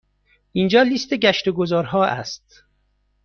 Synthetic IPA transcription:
ʔiːnd͡ʒɒːliːst̪eɟæʃt̪eɡozɒːɾɦɒːʔæ̰st̪̚

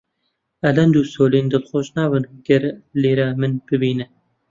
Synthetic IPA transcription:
ɐlɐnd̪uːsoːlind̪ɨlxoʃnɑːbɨnɡɛɾleːɾaːmɨnb̥ɨbiːnɨ

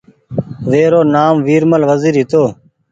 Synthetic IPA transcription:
ʋeːɾoːnaːmʋiːɾməlʋəziːɾɦɪt̪oː

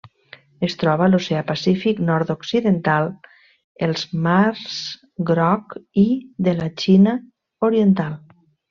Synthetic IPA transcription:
est̪ɾɔβalosɛapasifiknɔɾt̪oksiðent̪alˠ | elˠzmaɾz̥ | ɡɾɔkiðəlat͡ʃina | oɾient̪alˠ

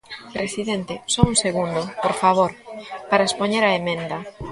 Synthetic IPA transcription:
pɾesiðent̪esɔuŋseɣund̪opoɾfaβoɾpaɾaespoɲeɾaemẽnd̪ɐ

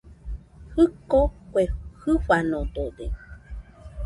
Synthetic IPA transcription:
hɨkokʷehɨfanõd̪odḛ

